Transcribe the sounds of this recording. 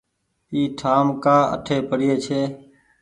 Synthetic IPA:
iːʈʰaːmkaːə̰ʈʰeːpəɽɪjeːt͡ʃʰeː

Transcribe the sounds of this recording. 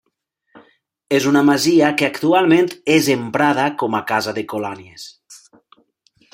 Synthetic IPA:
ezunamaziakeakt̪ualˠmẽnt̪ezempɾað̞akɔmakazaðekolanies

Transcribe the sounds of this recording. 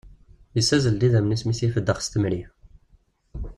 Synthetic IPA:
jəsæzəld̪iðæmnismisjifəd̪ːəχst̪əmɾi

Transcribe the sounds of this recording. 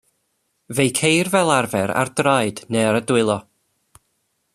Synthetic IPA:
vejkʰejrvɛlˠarvɛɾa̰rdrajd̥neaɾədwɪlˠɔ

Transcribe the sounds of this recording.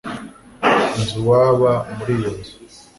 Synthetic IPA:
nzuwaːβamuɾijonzu̥

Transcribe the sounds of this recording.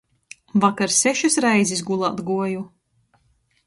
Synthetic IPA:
vakaɾsɛʃusɾɛjzis̬ɡulˠa̰ːt̪ɡuɔju

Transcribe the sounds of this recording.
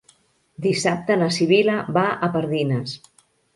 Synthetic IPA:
d̪isap̚t̪ənəsiβiləβaʔəpəɾðinəs

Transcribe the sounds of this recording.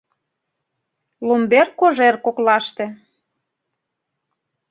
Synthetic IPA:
lumberkːoʒerkoklɑʃt̪e

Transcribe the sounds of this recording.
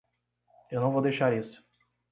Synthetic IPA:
ewnɐ̃w̃vowd̪ejʃaɾisʊ̥

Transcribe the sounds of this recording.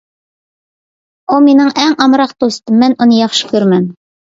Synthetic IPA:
uminɘŋæŋʔɑmɾɑqt̪ust̪ɤmːænʔŏnɤjɑχʃɤ̥kʉɾmæm

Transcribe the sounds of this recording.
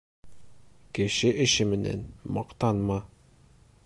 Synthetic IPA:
kɘ̆ʃɘʔɘ̆ɕɘmɘ̆næ̰nmɒqt̪ɑnmɑ

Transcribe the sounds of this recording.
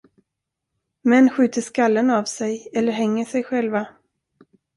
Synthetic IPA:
mɛnːɧʉ̟ːt̪əʂkalːənavsɛjɛlːəɾɦɛŋːəʂɛjɧɛlva

